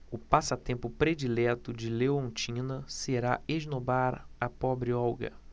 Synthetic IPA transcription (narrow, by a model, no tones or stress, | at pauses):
ʊpasɐt̪ẽmpʊpɾed͡ʒilɛt̪ʊd͡ʒɪlewõnt͡ʃĩnɐseɾaeʒnobaɾɐpɔbɾɪɔwɡɐ̰